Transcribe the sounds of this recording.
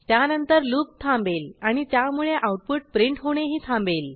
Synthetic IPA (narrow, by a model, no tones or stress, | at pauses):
t̪janənt̪əɾluːp̚t̪ʰãmbelaɽ̃it̪jamuɭeʔawʈ̚puʈ̚pɾiɳʈɦoɽ̃eɦiːt̪ʰãmbel